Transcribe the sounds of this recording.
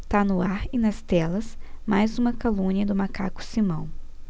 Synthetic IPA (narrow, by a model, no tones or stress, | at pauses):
t̪anʊaɾɪnɐst̪ɛlɐsmajzũmɐkolũniɐd̪ʊmaka̰kʊ̥simɐ̃w̃